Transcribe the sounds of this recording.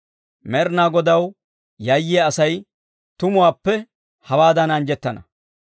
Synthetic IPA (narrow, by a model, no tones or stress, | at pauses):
mɛɾnaːɡɔd̪ɐw | jɐjːɪaɐsɐj | t̪ʊmʊwaːpːɛ | hɐwaːd̪ɐnɐnd͡ʒɛt̪ːɐnɐ̰